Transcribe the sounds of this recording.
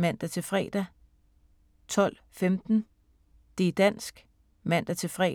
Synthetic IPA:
mæn̰d̥æt͡sʰe̝fʁɛ̰ːd̥æ | t͡sʰɒ̽l̰ | femd̥n̩ | d̥ed̥æn̰sɡ̥ | mæn̰d̥æt͡sʰe̝fʁɛ̰ː

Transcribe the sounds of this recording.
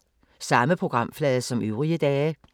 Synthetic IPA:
sɑməpʰʁʊɡ̥ʁɑmflɛːðəsɔ̽mʔʉːʁiəd̪ɛːə

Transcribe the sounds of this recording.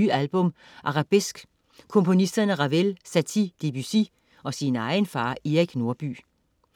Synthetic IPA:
yːælb̥ɔ̽m | ʔɑ̈ʁɑ̈b̥esɡ̥ | kʰɔ̽mpʰo̝nisd̥ɐnəʁɑ̈ʋelsæt͡sʰid̥ib̥ysi | ɒ̽sinɑ̈ɪnfɑ̈ːiʁiɡ̥no̝ɐb̥y̰ː

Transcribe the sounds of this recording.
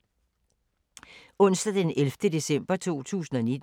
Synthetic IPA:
ɔ̽n̰sd̥ɐd̥enelfd̥əd̥e̝sem̰b̥ɐt͡sʰo̝̰ːt͡sʰṵːsn̩ɒ̽ned̥

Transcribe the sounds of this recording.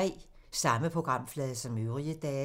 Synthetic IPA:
ɛ̰ː | sɑ̈məpʰʁo̝ɡ̥ʁɑ̈m̰flɛːðˠsɒ̽møʊʁiəd̥ɛː

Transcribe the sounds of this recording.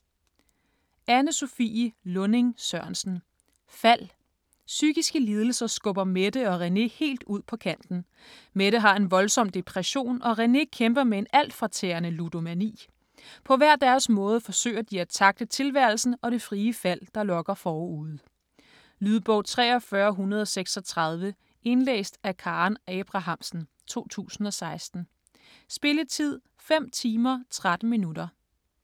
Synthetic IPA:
ænəso̝fḭlɔ̽ne̝ŋsɶɐ̰nsn̩ | fæl̰ | syɡ̥isɡ̥əliːð̞ˠl̩sɐsɡ̥ɔ̽b̥ɐmed̥əɒ̽ʁɛne̝he̝̰ːld̥uð̞̰ˠpʰɒ̽kʰæn̰d̥n̩ | meɾəɦɑ̈e̝nʋɒ̽lsɒ̽m̰d̥e̝pʰʁɛɕo̝̰ːnɒ̽ʁɛne̝kʰemb̥ɐmee̝næl̰d̥fʁɑ̈t͡sʰḛːɐnəlud̥o̝mænḭː | pʰɒ̽ʋæɐ̰d̥æɐsmɔ̽ːð̞ˠəfɒ̽sø̰ːɪɐd̥iæt͡sʰɑ̈ɡ̥̚d̥ət͡sʰe̝lʋæɐ̰l̩sn̩ɒ̽ɾ̥e̝fʁiːəfæl̰d̥ɑ̈lɒ̽ɡ̥ɐfɒːuð̩̰ˠ | lyðˠb̥ɔʊt͡sʰʁɛ̰ːɒ̽fɶːɐɦunɐð̞ˠɒ̽seɡ̥sɒ̽t͡sʰʁɑð̞ˠʋə | e̝nlḛːsd̥ækʰɑ̈ːnɛb̥ʁɑ̈ɦɑ̈m̰sn̩ | t͡sʰo̝̰ːt͡sʰṵːsn̩ɒ̽sɑ̈ɪsd̥n̩ | sb̥e̝lət͡sʰið̞̰ˠ | fem̰t͡sʰiːmɐt͡sʰʁad̥n̩minuɾ̥ɐ

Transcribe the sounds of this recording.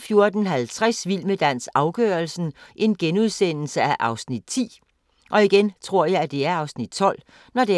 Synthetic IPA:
fjo̝ɐd̥ən̩ɦælt͡sʰʁɛsʋilməd̥æn̰sɑ̈ʊɡ̥øːɐlsn̩ʔe̝nɡ̥enuð̞ˠsen̰l̩səæʔɑ̈ʊsnid̥̚t͡sʰḭː | ʔɒ̽iɡ̥ent͡sʰʁo̝ɐ̰jɑ̈ɪæd̥e̝æɐɑ̈ʊsnid̥̚t͡sʰɒ̽l̰ | nɒd̥e̝

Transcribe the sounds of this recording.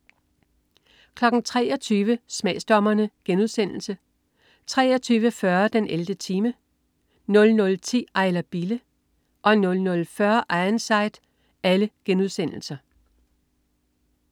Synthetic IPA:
kʰlɒ̽ɡ̥n̩t͡sʰʁɛ̰ːɒt͡sʰyːʋəsmɛ̰ːsd̥ɒ̽mɐnəɡ̥enuðˠsen̰l̩sə | t͡sʰʁɛ̰ːɒt͡sʰyːʋəfɶɐd̥enʔeld̥ət͡sʰiːmə | nɔ̽lnɔ̽lt͡sʰḭːɑ̈ɪlɐb̥ilə | ʔɒ̽nɔ̽lnɔ̽lfɶɐʔɑ̈ɪnsɑ̈ɪd̥ | æləɡ̥enuð̞ˠsen̰l̩sɐ

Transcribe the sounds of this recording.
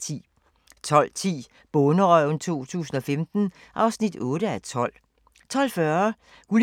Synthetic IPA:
t͡sʰḭː | t͡sʰɒ̽l̰t͡sʰḭː | b̥ɔnəʁɒnt͡sʰo̝̰ːt͡sʰṵːsn̩ɒ̽femd̥n̩ | ʔɑ̈ʊsnid̥ɔːɾ̥əæt͡sʰɒ̽l̰ | t͡sʰɒ̽l̰fɶːɐ | ul

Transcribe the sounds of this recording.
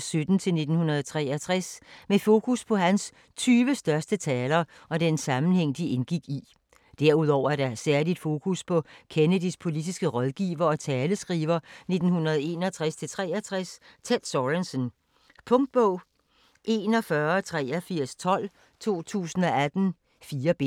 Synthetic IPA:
sød̥n̩t͡sʰe̝lne̝d̥n̩hunɐð̩ˠt͡sʰʁɛːɐt͡sʰʁɛsmefo̝ːkʰuspʰɒ̽ɦæns | t͡sʰyːʋəsd̥ɶɐsd̥ət͡sʰɛːlɐ | ɒ̽d̥ensɑ̈mn̩heŋ̰d̥ie̝nɡ̥iɡ̥i | d̥æɐuð̞̰ˠɒʊ̰ɐæɐɾ̥ɑ̈sæɐlid̥fo̝ːkʰuspʰɒ̽kʰenədispʰo̝lid̥isɡ̥əʁɒðˠɡ̥ḭːʋɐɒ̽t͡sʰɛːləsɡ̥ʁḭːʋɐne̝d̥n̩hunɐð̞̩ˠe̝̰ːnɒt͡sʰʁast͡sʰe̝lt͡sʰʁɛæt͡sʰʁɛst͡sʰed̥sɒʁensən | pʰɔ̽ŋd̥̚b̥ɔʊ̰ | ʔe̝ːnɒ̽fɶɐɒt͡sʰʁɛːɐfiɐ̰st͡sʰɒ̽l̰ | t͡sʰo̝̰ːt͡sʰṵːsn̩ɒ̽æd̥n̩ | fiːɐb̥e̝

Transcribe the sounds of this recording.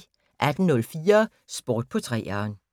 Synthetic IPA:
ʔæd̥n̩nɔ̽lfiːɐ | sb̥oːd̥̚pʰɒ̽t͡sʰʁɛ̰ːæn

